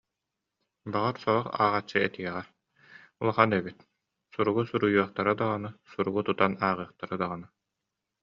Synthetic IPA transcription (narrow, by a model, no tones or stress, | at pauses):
baʁaɾsɔɾɔχa̰ːʁat͡ɕːɯɛt̪iɛʁɛ | ulˠɔχanɛbit̪ | suɾuɡusuɾujuɔχt̪aɾɯd̪aʁɔnɯsuɾuɡut̪ut̪anaːʁɯːχt̪aɾɯd̪aʁɔnɯ